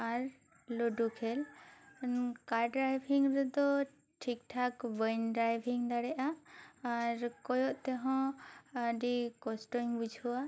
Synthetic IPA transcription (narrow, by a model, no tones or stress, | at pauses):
aɾ | lɔɖukʰɛl | kaɾɖɾajbʰʱiŋɾɛd̪ɔ | ʈʰik̚ʈʰakbəjnɖɾajbʱiŋd̪aɽɛʔaː | ɾkɔjɔʔt̪ɛɦɔ̃aɖikɔsʈɔŋbud͡ʒʱuwa